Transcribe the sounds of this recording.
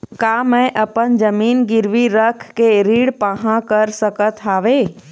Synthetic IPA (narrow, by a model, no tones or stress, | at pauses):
kaːmɛ̃ʔəpənd͡ʒəmiːnɡɪɾʋiɾəkʰkeɾiːɽpaɦãkəɾsəkət̪ʰɦaːʋe